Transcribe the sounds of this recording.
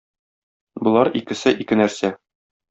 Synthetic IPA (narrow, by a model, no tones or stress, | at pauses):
bŏlˠɑɾikɘ̆sɘʔikɘnæɾsæ